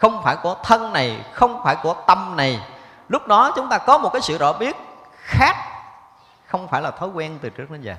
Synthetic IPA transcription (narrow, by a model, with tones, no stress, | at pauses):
xə˧wŋ͡mfaː˧˩jku˧˩ət̪ʰə˧nna˨˩jxə˧wŋ͡mfaː˧˩jku˧˩ət̪ə˧mna˨˩j | lʊ˦˥k͡p̚ɗɔ˨˦t͡ɕʊ˨˦ŋ͡mt̪aː˧kɔ˨˦mo˨˩t̚kaː˨˦jsɨ̰˧˨zɔ̰˧˨˩ɓi˦˥ət̚ | xaː˦˥k̚ | xə˧wŋ͡mfaː˧˩jlaː˨˩t̪ʰo˨˦jkwɛ˧nt̪ɨ˨˩t͡ɕɨ˦˥ək̚ɗe˨˦nzəː˨˩